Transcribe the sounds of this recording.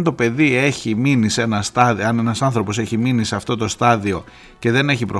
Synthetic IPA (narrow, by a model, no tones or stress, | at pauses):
nt̪o̞pe̞ðie̞çiminise̞nɐst̪ɐɐne̞nɐsɐnθɾo̞po̞se̞çiminiseɐft̪o̞t̪o̞st̪ɐðio̞ | ce̞ðe̞ne̞çipɾo